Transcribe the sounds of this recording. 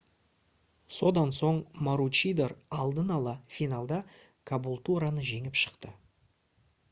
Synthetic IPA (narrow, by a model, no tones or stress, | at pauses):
so̞d̪ɑnso̞ɴmaɾut͡ʃijd̪erɑlˠd̪ənɑlˠɑfinalˠd̪ɑ | kʰabulˠt̪uɾanəʒe̞ŋɪpʃə̥qt̪ə